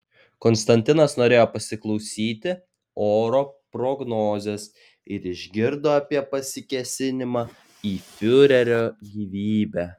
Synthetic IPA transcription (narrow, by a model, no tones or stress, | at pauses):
kɔnst̪ɐnʲt̪ʲɪnɐsnoːɾʲeːjoːpɐsʲɪklˠɒʊsʲiːt̪ʲɪ | oːɾoːpɾɔɡnoːzʲes | ɪɾɪʒʲɡʲɪɾd̪oːɐpʲiɛpɐsʲɪkʲɛsʲɪnʲɪmɑː | iːfʲʊɾʲɛɾʲoːɡʲiːʋʲiːbʲæː